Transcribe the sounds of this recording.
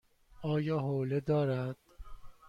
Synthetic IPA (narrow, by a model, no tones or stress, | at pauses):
ɒːjɒːɦoːled̪ɒːɾæd̪̥